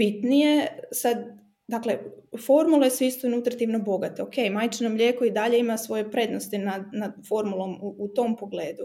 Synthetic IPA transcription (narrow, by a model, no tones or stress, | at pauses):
b̥it̪nije̞sad̪ | d̪akle̞fo̞ɾmulˠesist̪ounut̪ɾat̪iʋno̞bo̞ɡat̪eoke̞jmajt͡ʃinomʎʲeːkoid̪aʎe̞imasʋo̞je̞pɾe̞d̪nost̪inad̪nad̪fo̞ɾmulˠo̞muːt̪o̞mpo̞ɡle̞ːd̪u